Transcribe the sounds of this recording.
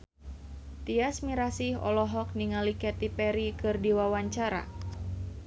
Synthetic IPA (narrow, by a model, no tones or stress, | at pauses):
t̪iasmiɾasihɔ̰lɔɦɔk̚niŋalikɛt̪ipɛɾikɨrdiwawaɲt͡ʃaɾa̰